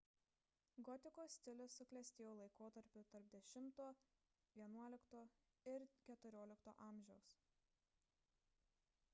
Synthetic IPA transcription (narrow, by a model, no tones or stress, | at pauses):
ɡɔt̪ʲɪkoːsʲt̪ʲɪlʲʊsːʊklʲɛsʲt̪ʲeːjoːlˠɐɪkoːt̪ɐɾʲpʲʊt̪ɐɾp̚d̪ʲɛʃʲɪmt̪oː | ʋʲiɛnuɔlʲɪkt̪oː | ɪɾkʲɛt̪ʊɾʲoːlʲɪkt̪o̰ːʔɑˑmʲʒʲɛʊs